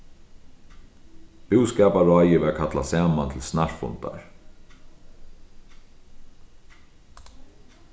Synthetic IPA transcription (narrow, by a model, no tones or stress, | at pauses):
b̥ɪwskaːpaɹaːjəʋɛːkʰat̪la̰saːmant̪ʰɪlsnaɹfʊ̰nt̪a̰ɹ